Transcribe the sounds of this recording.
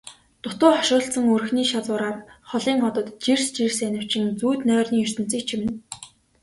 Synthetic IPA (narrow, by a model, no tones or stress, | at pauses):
t̪ʊt̪ʊːχɔʃʊːɬt͡sə̆ŋɵr̆xniːʃat͡sʊːɾaːrχɔɮiːŋχɔt̪ɞ̆t̪t͡ɕirst͡ɕirsænɪ̆w̥t͡ɕɪ̆ŋt͡suːt̪nœːrniːɵr̥ʲt̪ɵ̆n̥t͡sĭːk̚t͡ɕʰimɘ̆n